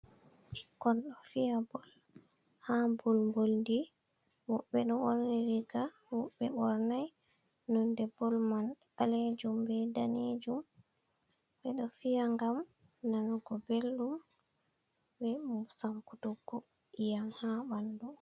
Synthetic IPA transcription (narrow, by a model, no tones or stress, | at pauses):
ʔikːɔnɗɔfijabɔl | hambɔlmbolndi | wɔɓɛɗɔoɾniɾiɡa | wɔɓːɛɓɔɾnaj | nɔndɛbːɔlmanɓaled͡ʒumbɛdaned͡ʒum | ɓɛɗɔfijaŋɡam | nanɡɔbelɗum | bɛsaŋkutɔɡɔ | ijanhaɓandu